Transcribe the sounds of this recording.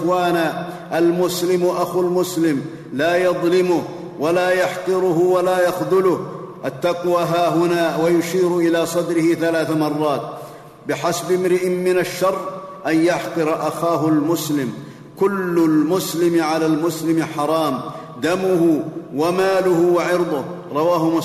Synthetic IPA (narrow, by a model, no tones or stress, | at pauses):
xwaːnaː | ʔalmʊslɪmʔaxulmʊslɪm | laːjɑðˤlɪmʊh | walaːjɑħt̪ˤɨɾʊhʊwalaːjɑxðˤʊlʊhʔat̪ːaqwaːɦaːɦʊnaːwajʊʃiːɾʔɪlaːsˤɑd̪ɾɪhɪθalaːθamɑrˤːɑːt̪̚ | bɪħasabɪmɾɪʔɪmmɪnaʃːɑrˤːʔanjaħt̪ˤɨɾʔaxaːɦʊlmʊslɪm | kʊlːʊlmʊslɪmʕalaːlmʊslɪmħɑɾˤɑːm | d̪amʊhʊwamaːlʊhʊwaʕɪɾd̪ˤʊhɾˤɑwaːɦʊmʊ